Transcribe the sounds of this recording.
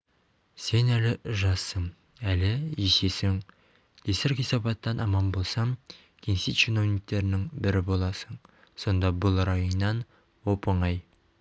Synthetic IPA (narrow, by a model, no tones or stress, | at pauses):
se̞nælɪʒɑsːəm | ælɪese̞sɪŋʰ | esɪɾχijsɑpɑt̪ːɑnʔɑmɑnbo̞lˠsɑm | kʲʰensit̪t͡ʃeno̞vnʲik̚t̪ːe̞ɾɪnɪŋbɪɾɪbo̞lˠɑsəɴ | so̞nd̪ɑbʊlˠɾɑjonːɑn | wopəɴɑj